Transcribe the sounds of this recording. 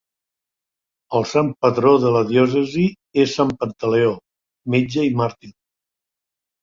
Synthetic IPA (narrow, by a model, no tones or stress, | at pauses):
əlˠsampətɾoðələðjɔsəzi | esːampənt̪əleo | med͡ʒəimaɾt̪in